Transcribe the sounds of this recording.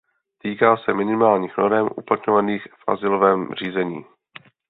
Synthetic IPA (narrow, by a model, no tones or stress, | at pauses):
t̪iːkaːsɛmɪnɪmaːlɲiːxnoɾɛmʔṵplat̪ɲovaniːxfʔa̰zɪlo̞vɛːmr̝iːzɛɲḭː